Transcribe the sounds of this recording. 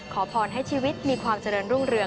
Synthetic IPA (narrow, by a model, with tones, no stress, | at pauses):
kʰɔː˩˦pʰɔː˧nɦa˥˩jt͡ɕʰiː˧wi˦˥t̪̚miː˧kʰwaː˧mt͡ɕa˧ɾɤː˧nɾu˥˩ŋɾɯ˧ə